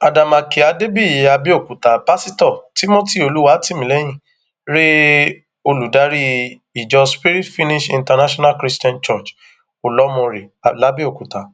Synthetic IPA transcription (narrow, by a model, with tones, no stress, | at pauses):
a˨da˨ma˨ki˨a˨˧de˦bi˦˨ja˧bi˦o˦˨ku˨ta˨pa˦si˦tɔ˦˨ti˦mo˦ti˦˨o˨˧lu˨˦wa˦ti˦˨mĩ˨lɛ˨˦j̃ĩ˦˨ | ɾe˦ | o˧lu˨da˨˦ɾi˦ | i˨d͡ʒɔ˧spi˦ɾi˦tfi˦ni˦ʃĩ˧nta˧na˦ʃɔ˦na˦kɾi˦sti˦ɔ̃˦nt͡ʃɔ˦˨t͡ʃ | o˨lɔ˨˦mɔ̃˧ɾe˨la˨˦bi˦o˦˨ku˨ta˨